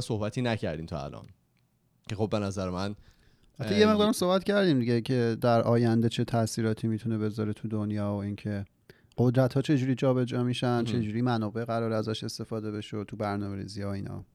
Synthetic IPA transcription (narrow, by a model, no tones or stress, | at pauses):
sohbæt̪ʰiːnæcʰæ̰ɾd̪iːmt̪ʰɒ̰æ̰lʔɒ̰n | cʰexob̚ːe̞næzæɾemæn | æt̪ʰːejeme̞ɣd̪ɒːɾæmsohbæt̪cʰæɾd̪iːmd̪iɟe̞cʰe̞d̪æɾʔɒːjænd̪e̞t͡ʃʰe̞t̪ʰæsiːɾɒːt̪ʰiːmit̪ʰune̞be̞zɒɾet̪ʰud̪onjɒːoincʰe | ɢ̥o̞d̪ɾæt̪hɒːt͡ʃʰe̞d͡ʒuːɾid͡ʒɒːbe̞d͡ʒɒːmiʃænd̪t͡ʃʰe̞d͡ʒuːɾimænɒːbe̞ʔɣæɾɒːɾæzæʃe̞st̪e̞fɒːd̪e̞βe̞ʃot̪ʰubæɾnɒːme̞ɾḭːzihɒoiːnɒ̰ː